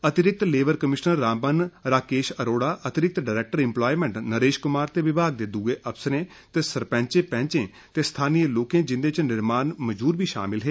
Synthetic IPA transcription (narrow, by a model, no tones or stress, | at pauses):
ət̪ɪɾɪk̚t̪leːʋəɾkəmɪʃnəɾːãːmbənɾaːkeːʃəɾoːɽaːʔət̪ɪɾɪk̚t̪ɖaːɾɛːk̚ʈəɾɪ̃mploːiːmɛ̃ːɳʈnəɾeːʃkʊmaːɾt̪eːʋɪbʱaːɡ̚d̪ed̪uɡeːʔəpsəɾẽː | t̪eːsəɾpɛ̃ːɲt͡ʃẽːpɛ̃ːɲt͡ʃẽː | t̪eːst̪ʰaːnijəloːkẽːd͡ʒɪnd̪eːt͡ʃnɪɾmaːnməd͡ʒbuːɾbʱiːʃa̰ːmɪlɦeː